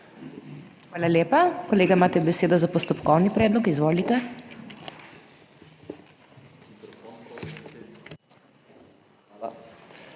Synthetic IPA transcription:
xʋaːlaleːpakɔleːɡamaːt̪ɛbɛseːd̪ɔzapɔst̪ɔpkɔwnipɾɛːd̪lɔkizʋoːlit̪ɛ

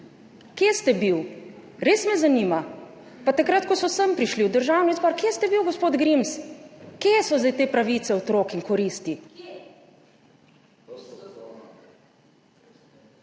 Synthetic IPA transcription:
kjest̪ɛbiw | ɾeːsmɛzaniːma | pat̪akɾat̪kɔsɔsəmpɾiʃliwd̪əɾʒaːwnɔizbaɾkjeːst̪ɛbiwɡɔspoːd̪ɡɾimskesɔzajt̪eːpɾaʋiːt̪sɛot̪ɾoːkiŋkɔɾist̪i

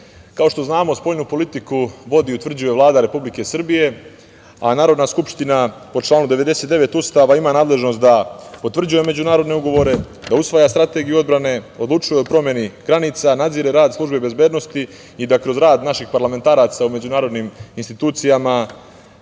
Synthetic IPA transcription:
kao̞ʃt̪oznaːmo̞spo̞ʎnupo̞lit̪ikuʋo̞d̪iut̪ʋr̩d͡ʑuje̞ʋlˠaːd̪aɾe̞publike̞sr̩bije̞ | anaːɾo̞d̪naskupʃt̪inapo̞t͡ʃlˠaːnud̪e̞ʋe̞d̪e̞se̞t̪d̪eʋe̞t̪ust̪aʋaimaːnaːd̪le̞ʒno̞st̪d̪apo̞t̪ʋr̩d͡ʑuje̞me̞d͡ʑunaːɾo̞d̪ne̞uɡoʋo̞ɾe̞ | d̪ausʋajast̪ɾat̪e̞ɡijuo̞d̪bɾane̞o̞d̪lut͡ʃujeopɾo̞mje̞niɡ̥ɾaniːt̪sanad̪ziːɾeɾaːd̪slˠuʒbebe̞zbe̞ːd̪no̞st̪i | id̪akɾo̞zɾaːd̪naʃixpaɾlˠame̞nt̪aːɾat̪saume̞d͡ʑunaːɾo̞d̪niminst̪it̪uːt̪sijama

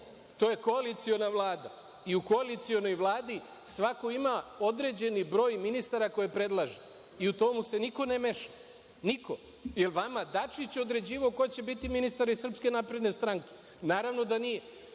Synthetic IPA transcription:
t̪o̞je̞ko̞alit̪sio̞naʋlˠaːd̪a | iuko̞alit̪sio̞no̞jʋlˠaːd̪i | sʋako̞imao̞d̪ɾe̞d͡ʑe̞nibɾo̞ːjminist̪aɾako̞jepɾe̞d̪lˠaʒe | iut̪o̞muse̞niko̞neme̞ʃa | niko̞ | je̞lˠʋamad̪at͡ʃit͡ɕo̞d̪ɾe̞d͡ʑiːʋaoko̞jet͡ɕe̞bit̪iminist̪aɾisr̩pske̞napɾe̞d̪ne̞st̪ɾaŋke̥ | naːɾaʋno̞d̪anije

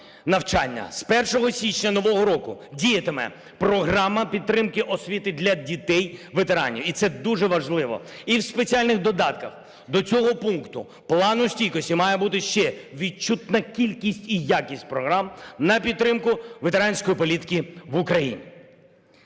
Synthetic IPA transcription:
nɐwt͡ʃɑnʲːɐ̰spɛrʃɔɦɔsʲit͡ʃnʲɐnɔʋɔɦɔɾɔkʊdʲijɐt̪emɛ̰ | pɾɔɦɾɑmɐpʲid̪t̪ːɾɪmkɪʔɔsʲʋʲit̪ɪd̪lʲɐdʲit̪ɛjʋet̪eɾɑ̰nʲḭwit̪sɛd̪uʒɛʋɐʒlˠɪʋɔ̰iwspet͡sʲialʲnɪxd̪ɔd̪ɑt̪kɐx | d̪ɔt͡sʲɔɦɔpunkt̪ʊ̰ | plˠɑnʊsʲtʲijkɔsʲtʲimɑjɛbut̪ɪʃt͡ʃɛʋʲit͡ʃut̪nɐkʲilʲkʲisʲtʲijakʲisʲtʲpɾɔɦɾɑmnɐpʲid̪ːɾɪmkʊʋet̪eɾɑnʲsʲkɔjipɔlʲit̪ɪ̥kʲiʋʊkɾɐjinʲḭ

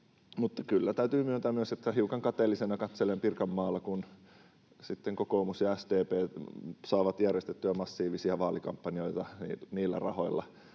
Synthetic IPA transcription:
mut̪ːɑkylːæt̪æyt̪yːmyønt̪æmmyøset̪ːæhiukɑŋkɑt̪eːlːisenɑkɑt̪selempirkɑmːɑːlːɑkun | sit̪ːeŋkokoːmusjɑæst̪eːpeːsɑːʋɑt̪jærjest̪et̪ːyæmɑsːiːʋisiɑʋɑːlikɑ̰mpːɑnioit̪ɑnḭniːlːæ̰rɑho̰ilːɑ̰

